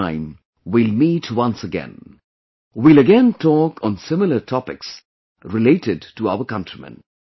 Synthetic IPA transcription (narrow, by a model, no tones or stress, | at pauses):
ɪ̃m | wilmiːtʰwʌ̃nsəɡɛ̰̃n | wiləɡɛ̃ntʰɔkɔ̃nsɪmələtʰɔpɪks | ɾɪleɪʈɪdtuaʊəkʌ̃ntʰɹ̥imə̰̃n